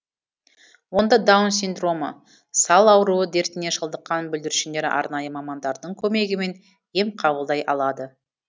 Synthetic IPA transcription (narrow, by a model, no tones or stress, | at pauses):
wo̞nd̪ɑd̪awnsʲind̪ro̞mə̰ | sɑlˠɑwɾuəd̪e̞ɾt̪ɪne̞ʃəlˠd̪əqːɑnbʏld̪ɪɾʃɪnd̪e̞ɾɪ̰ʔɑ̰ɾnɑjəmɑmɑnd̪ɑɾd̪əɴkʲʰɵme̞ɡʲɪme̞n | je̞mqʰɑbəlˠd̪ɑjʔɑ̰lˠɑd̪ə